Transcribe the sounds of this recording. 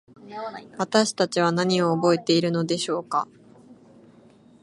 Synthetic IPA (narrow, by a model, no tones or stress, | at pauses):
βat̪aɕi̥t̪at͡ɕiβ̞anaɲ̟io̞ːbo̞e̞t̪e̞iɾɯ̟no̞d̪e̞ɕo̞ːka̰